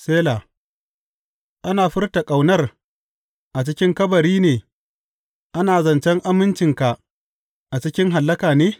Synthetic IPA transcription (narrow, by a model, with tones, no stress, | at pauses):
seː˦laː˨ | ʔa˦naː˨ɸɪ˦rta˨kʼa˨wnɐ˦r | ʔa˨t͡ʃɪ˦kʲɪ˦ŋkɐ˦bɐ˨ɾiː˦neː˨ | ʔa˦naː˨zɐ˨nt͡ʃɛ˦ŋʔa˦mɪ˦nt͡ʃɪ˨ŋka˨ | ʔa˨t͡ʃɪ˦kʲɪ˦ŋɦa˨lːɐ˦kaː˨neː˦